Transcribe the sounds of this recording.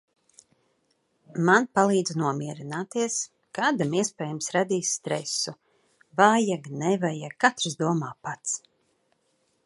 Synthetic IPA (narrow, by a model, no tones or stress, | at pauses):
manpalˠiːd̪znuɔmiɛɾinaːt̪iɛs | kaːd̪amiɛspʲɛːjumsɾad̪iːsʲt̪ɾɛsu | vajaɡnɛvajaɡkːat̪ɾzd̪uɔmaːpat̪s